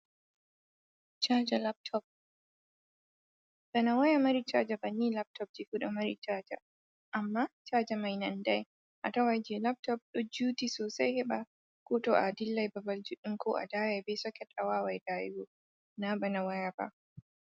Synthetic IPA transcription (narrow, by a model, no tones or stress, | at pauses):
t͡ʃaːd͡ʒalap̚tʰɔp̚ | banawajamɐɾit͡ʃad͡ʒabɐnːiːlap̚tʰɔp̚d͡ʒifuɗɔmɐɾḭt͡ʃaːd͡ʒa̰ | ʔamːaːt͡ʃaːd͡ʒamajnɐndaj | ʔatawajd͡ʒɛlap̚tɔp̚ɗɔd͡ʒuːtisoːsajhɛɓa | kotoʔaːdilːajbabald͡ʒuɗiŋkɔːʔa̰daːjajbɛsɔkɛtʼawaːwajdaːjḭɡo | nabanawajaba̰